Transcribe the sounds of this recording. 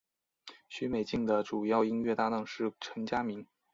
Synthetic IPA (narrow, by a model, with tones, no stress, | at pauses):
ɕy˧˥me˨˩ɪt͡ɕi˥˩ŋd̪ə˩ʈ͡ʂu˨˩jɑ˥˩ʊi˥nɥɛ˥˧t̪a˥˧nɤ˥˧ŋʂɻ̩˥˩ʈ͡ʂʰə˧˥ŋt͡ɕja˥mi˧˥ŋ